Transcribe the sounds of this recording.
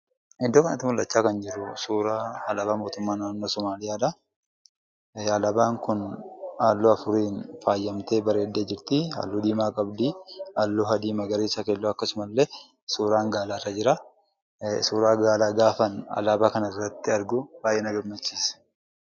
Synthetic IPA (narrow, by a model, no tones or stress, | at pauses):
ɪd̪ːoːkɐnɐ̰t̪ːɪmʊlːʔɐt͡ʃːaːkɐnd͡ʒɪɾʊsuːɾaːhɐlɐbaːmoːt̪ʊmːaːnːaːnːoːsɔmaːlɪjaːᶑɐ | aːlɐbaːŋkʊnhaːlːoːɐfʊɾiːnfaːjːɐmt̪eːbɐɾeːd̪ːeːd͡ʒɪɾt̪ɪha̰ːlːuːd̪iːmaːkʼɐbd̪ialːoːɦɐd̪iːmɐɡɐɾeːsɐkeːlːoːɐkːɐsʊmɐlːe | suːɾaːŋɡaːlaːrːɐd͡ʒɪɾa | suːɾaːɡaːlaːɡaːfɐnɐ̰laːbaːkɐnɐɪrːɐt̪ːɪɐɾɡʊb̥aːjʔːɛnɐɡɐɾmɐt͡ʃːiːsɐ̥